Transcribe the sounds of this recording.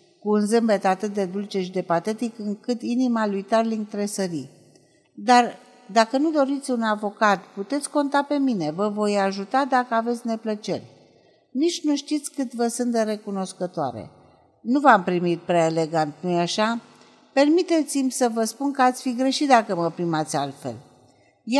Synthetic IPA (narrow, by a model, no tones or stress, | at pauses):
kuɨnzɨmbe̞t̪at̪ɨt̪̚d̪e̞d̪ult͡ʃe̞ʃid̪e̞pat̪e̞t̪ikɨŋkɨt̪inimalujt̪arliŋɡ̚t̪ɾe̞səɾi | d̪ar | d̪akənud̪o̞ɾit̪sʲunavo̞kat̪put̪e̞t̪sʲko̞nt̪ape̞mine̞vəvo̞jaʒut̪ad̪akəavet̪sʲne̞plət͡ʃe̞̰rʲ | nit͡ʃʲnuʃt̪it̪sʲkɨt̪vəsɨnt̪̚d̪eɾe̞kuno̞skət̪oa̰ɾḛ | nuvampɾimit̪̚pɾeaele̞ɡant̪nujaʃa | pe̞rmit̪e̞t̪simʲsəvəspunkəat̪sʲfiɡɾe̞ʃit̪̚d̪akəməpɾimat̪sʲalt̪fe̞̰l | j